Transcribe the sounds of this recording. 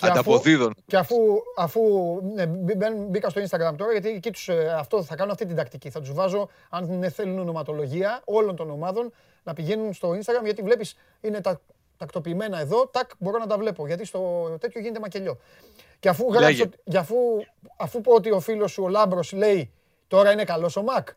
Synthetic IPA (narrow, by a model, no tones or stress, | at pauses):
ceɐɐfoðiðonceɐfuɐfuebbenbikɐst̪oinst̪ɐɡɾɐmt̪o̞ɾɐʝɐt̪iecit̪u̥sɐft̪o̞θɐkɐnunɐft̪it̪ind̪ɐkt̪iciθɐt̪uzvɐzo̞ | ɐnneθe̞lunono̞mɐt̪o̞lo̞ʝiɐo̞lo̞nt̪o̞no̞mɐðo̞n | nɐpiʝe̞nunst̪o̞inst̪ɐɣɾɐmʝɐt̪ivle̞pis | ine̞t̪ɐ | t̪ɐkt̪o̞piːme̞nɐeðo̞t̪ɐkbo̞ɾo̞nɐt̪ɐvle̞poʝɐt̪ist̪o̞t̪et̪ço̞ʝinet̪emɐce̞ʎo̞ | ceɐfuɣɾɐisoʝɐfu | ɐfupoot̪̬io̞filo̞sːuolɐmbɾo̞sle̞i | t̪o̞ɾɐine̞kɐlo̞so̞mɐk